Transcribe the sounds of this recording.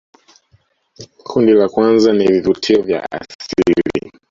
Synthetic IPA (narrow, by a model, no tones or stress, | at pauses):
kʰundilakwanzanivivutʰiɔvja̰a̰silḭ